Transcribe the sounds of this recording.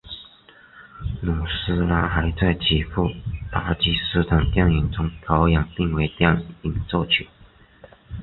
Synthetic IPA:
nu˨˩sɹ̩˥la˥xa˧˥ɪt͡sa˥˩ɪt͡ɕʰi˨˩fu˥˩t̪a˥t͡ɕi˥sɹ̩˥˧t̪ʰɑ˨˩ŋt̪jɑ˥˩ŋi˨˩nt͡sʊ˥ŋt̪ʰɑ˧˥ʊjɑ˨˩ŋpi˥˩ŋwe˧˥ɪt̪jɑ˥˩ŋi˨˩nt͡sɔ˥˧t͡ɕʰy˨˩˦

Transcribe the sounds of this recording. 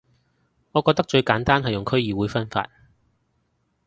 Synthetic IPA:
ŋɔː˨˧kɔ˧k̚t̪ɐ˥k̚t͡ʃɵ˧ɥkaː˨˥nt̪aː˥nɦɐ˨jʊ˨ŋkʰɵ˥ɥjiː˨wuː˨˧jfɐ˥nfa̰ː˧t̚

